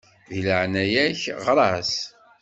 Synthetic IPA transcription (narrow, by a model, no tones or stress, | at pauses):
ðiləʕnæjæçʁɾˤɑs